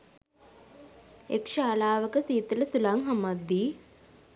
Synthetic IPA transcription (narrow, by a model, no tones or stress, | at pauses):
ḛkʃaːlaːʋəkəsiːt̪ələsulaŋɦamad̪ːiː